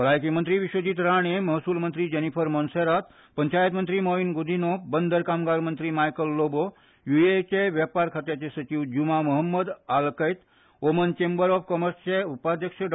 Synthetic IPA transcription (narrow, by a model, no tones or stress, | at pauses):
əlaːjkimənt̪ɾiʋiʃwəd͡ʑiːt̪ɾaːɳemɐɦsuːlmənt̪ɾid͡ʒɐnipʰəɾmonseɾat̪ | pɐɲt͡ʃaːjət̪mənt̪ɾimoːʋinɡud̪ʱinoːpbənd̪əɾkaːmɡaːɾmənt̪ɾimaːjkəlːoːbo | juet͡ʃeʋjapaːɾkʰat̪jat͡ʃesɐt͡ʃiʋd͡ʒumamɐɦəmːəd̪aːlkɐjt̪ | omənt͡ʃeːmbəɾɔːfkɔməɾst͡ʃeupaːd̪ʱjəkʃəɖ